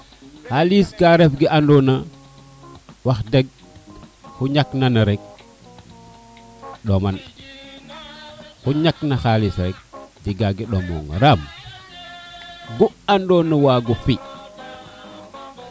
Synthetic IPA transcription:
xaliskaɾefɡiandona | waxdeɡ̚ | xuɲaknanaɾek̚ | ɗɔman | xuɲaknaxalisɾɛk̚d͡ʒiɡaɡiɗɔmo̰ŋ̰ɾam | ɡuandonawaɡufi

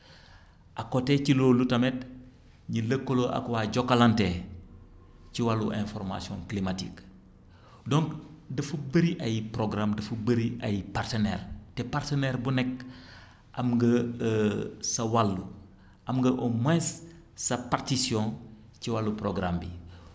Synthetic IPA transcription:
ʔɐkoteciloːlutɐmɛt | ɲilɐkːoloʔɐ̰kwaːɟɔkːalante | ciwalṵʔɛ̃nfɔrma̰siɔ̃ŋklimatḭk | dɔ̃ŋkdɐfubɐɾiʔɐjipɾoɡɾamdɐfubɐɾiʔɐ̰jipartənɛ̰ːrtɛpartənɛɾbunɛk | ʔɐmɡɐ | sɐwalːu | ʔɐmŋɡɐʔomɛs | sɐpartisiɔ̃ciwalːupɾoɡɾambḭ

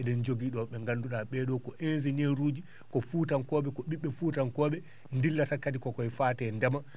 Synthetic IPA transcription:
ʔɛɗɛnd͡ʒoɡiɗɔɓɛŋɡanduɗaɓɛɗɔkɔʔenzɛɲeɾuːd͡ʒi | kɔfuːtankɔɓɛkɔɓiɓːɛfuːtankɔːɓɛ | ndilːatakːadikɔkɔɛfatɛːndama

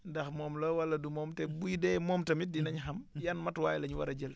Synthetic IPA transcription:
ndɐxmɔːmlɐwɐlːɐdumɔːmtɛbujdɛːmɔːmtɐmit̚dinɐɲɦɐmjanmɐtwa̰ːjlɐɲwɐ̰ɾɐɟɐl

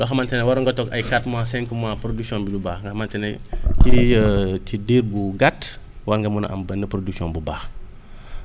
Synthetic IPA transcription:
ɡɐɦɐmantɛnɛwɐɾɔŋɡɐtɔkɐ̰jkatmwaːsɛŋkəmwaːpɾoduksɔ̃nbilubaːxŋɡɐxɐmantɛnɛkiitidiːɾbuɡat | wɐlŋɡɐmuna̰ʔɐ̰mbənəpɾoduksɔ̃nbubaːx

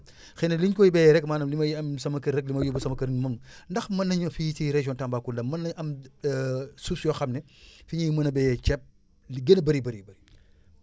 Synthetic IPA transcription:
xɛnɐliɲkɔːjibɛːjɛɾɛkːmaːnɐmlimɐɐmsɐmɐkɐɾrɛk̚limɐjubusɐmɐkɐɾinmɐmndɐxmɐnːɐɲufijitiɾeʒiɔntambakundɐmɐnɐɐm | susjɔxɐmnɛ | fiɲɐjimɐnɐbɛjɛt͡ʃɛp̚ | liɡɐnɐbɐɾibɐɾibɐɾi

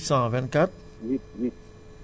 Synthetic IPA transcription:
sɑ̃vɛ̃nt̪̚kat̪ | wit̪wit̪

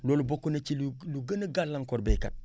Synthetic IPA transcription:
lolubokːunat͡ʃilluɡənəɡalːaŋkoɾbeka̰t̚

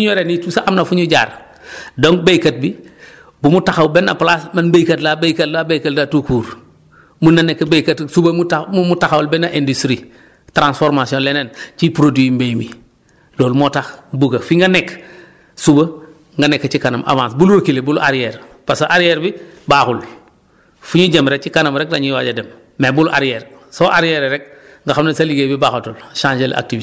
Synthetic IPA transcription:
uɲoɾenitusaʔamnafuɲuɟa̰ːɾ | doŋ̚bejkɐt̚bi | bumutaxawbena̰plasmanbejkatlaːbejkatlabejkatlatukuːɾ | munanɛkːbejkɐtsubɐmutamumutaxawulbɛnaʔẽndustɾi | tɾãnsfoɾmasijõnlenent͡ʃipɾodwimbejmi | loːlmotaxbuɡafiŋɡanekː | subɐ | ŋɡanekːet͡ʃikanamʔa̰vãːnsbuluɾkilebulaɾijɛːɾ | pasaʔaɾjeɾbibaːxul | fuɲuɟemɾek̚t͡ʃikanamɾek̚laɲiwa̰ɟademː | ebulʔaɾjeːɾsoʔaɾijeɾeɾek̚ | ŋɡaxamnesaliɡebibaxotolʃãnʃelʔa̰k̚tifi

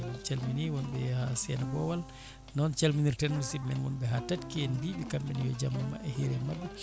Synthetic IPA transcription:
nt͡ʃelminiwɔnbɛhasɛnabɔwal | nɔnt͡ʃalminiɾtɛnmusimɛnwɔnɓɛɦatatkiɛnbiɓikamɓɛndijɔd͡ʒamama̰ʔɛhiɾɛmabːɛ

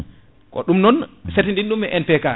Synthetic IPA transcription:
kɔ̰ɗumnɔnseɾtindinɗumːɛʔɛnpɛka

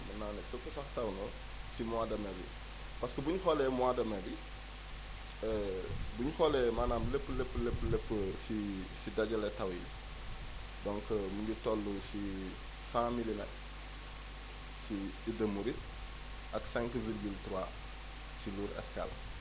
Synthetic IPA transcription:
mɐnaːnɛtəkːusaxtɐwnə | simuwadɐmɛɾḭ | pɐskəbuɲxɔlɛmuwadɐmɛɾi | əbuɲxɔlɛmanaːmləpːələpːələpːələpːəsisidaɟɐlɛtɐwjḭ | dɔ̃ŋkəmuɲɟutɔlːusi | sãːmilinɛt | si | idəmuɾit̚ | ʔɐksɛ̃ŋkviɾɡiltɾwa | siluːɾɛ̰ska̰l

